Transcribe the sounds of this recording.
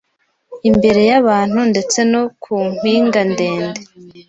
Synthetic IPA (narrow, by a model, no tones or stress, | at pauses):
imbe̞ɾe̞jaβaːn̥hunde̞t͡se̞no̞kʰum̥wiːŋɡande̞ːnde